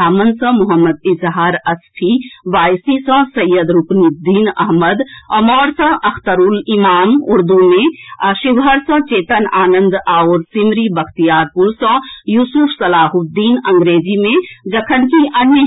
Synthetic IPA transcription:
aːmənsɐ̃mʊɦəmːəd̪ɪzɦaːɾɐspʰiʋaːjsisə̃sɐjːəd̪ɾupnid̪iːnɐ̰ɦməd̪ɐmɔːɾsɐ̃ʔɐkʰt̪əɾuːlimaːmuɾd̪umẽʃiʋɦəɾsə̃t͡ʃeːt̪ənaːnənd̪aːwɾsimɾibɐkʰt̪ijaːɾpuɾsə̃juːsupʰsɐlaːɦud̪iːnɐ̃ŋɡɾeːd͡ʒimẽd͡ʒɐkʰənkiʔɐnjə

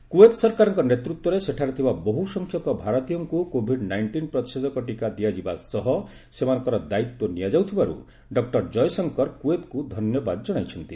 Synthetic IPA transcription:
kuet̪sɔɾkaɾɔŋkɔnet̪ɾut̪wɔɾeseʈʰaɾɔt̪ʰibaboɦusɔŋkʰjɔkɔbʱaɾɔt̪ijɔŋkukobʱiɖnajɳʈinpɾɔt̪ised̪ɔkɔʈikad̪iad͡ʒibasɔɦɔ | semanɔ̃ŋkɔɾɔd̪ait̪wɔnijad͡ʒawt̪ʰibaɾṵ | ɖɔk̚ʈɔɾd͡ʒɔjsɔŋkɔɾkuet̪kud̪ʱɔnjɔbad̪ɔd͡ʒɔɽ̃ajt͡ʃʰɔnt̪i

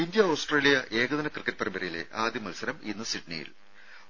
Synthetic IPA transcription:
indjɐoːsʈreːlijɐʔe̞ːɡɐðɐnɐkrɨkːɐʈ̚pɐɾɐmbɐɾɐjile̞̰ʔaːd̪ʱjɐmɐlusɐɾɐminːɨsiʈnḭjḭl

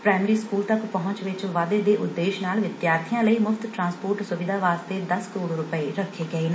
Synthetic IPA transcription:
pɾaːɪmɾiːskuːlt̪əkpəɦʊ̃nt͡ʃʋɪt͡ʃʋaːd̪eːd̪eːʔʊd̪ːeːʃnaːlʋɪd̪jaːɾt̪ʰijãːləiːmʊfʰt̪ʈɾãːnspoːɾʈsʊʋɪd̪aːʋaːst̪eːd̪əskəɾoːɽɾʊpəeːɾəkʰːeːɡəeːn

